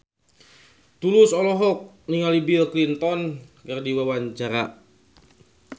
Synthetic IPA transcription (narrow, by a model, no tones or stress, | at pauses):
t̪ulʊsɔlɔɦɔk̚ | niŋalibiklint̪ɔnkardiwawaɲt͡ʃaɾa